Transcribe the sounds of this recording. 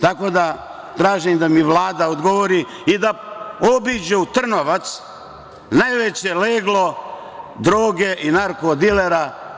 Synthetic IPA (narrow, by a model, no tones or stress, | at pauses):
t̪ako̞d̪a | t̪ɾaːʒimd̪amiʋlaːd̪aod̪ɡo̞ʋoɾi | id̪aobid͡ʑeut̪r̩noʋat̪s | najʋet͡ɕeleːɡlo̞ | d̪ɾoːɡe̞ʔinaɾkod̪ileɾa